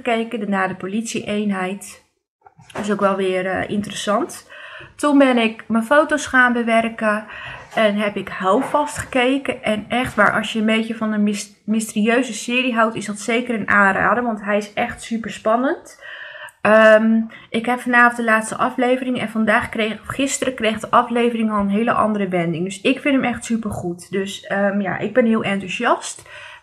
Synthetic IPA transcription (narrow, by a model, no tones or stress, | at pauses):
kejkədənaːdəpolitsiʔejnɦɛjt | ɪsowkʋɛlˠʋɪːrʔɪ̰ntərəsɑnttunbɪnɪkməfowtosχaːnbəʋɛrkəʔɛnɦɛpɪkhɛlˠfɑstχə̥kejkəʔɛnʔɛχtʋa̰ːɹʔɑ̰sjəənbejtəvɑnən | mɪstəriøɥzəsɪːɾiɦɑwtɪsdɑtsejkəɾənaːnra̰ːdəʋɑntɦɛjɪsɛχtsypəɹspɑnənt | əm | ʔɪkɦɛpfɑnaːvətdəlaːtstəʔɑflejvərɪŋɛ̰nvɑndaːχkreχɪstərəkrejχdəʔɑflejvərɪŋɑlˠənɦejləʔɑ̰ndərəbɛndɪŋdɵsɪkfɪntɦəmɛχtsypəɹχutdøsəmja̰ʔɪ̰ɡ̚bɛnɦɪːlˠʔɛntuzɑst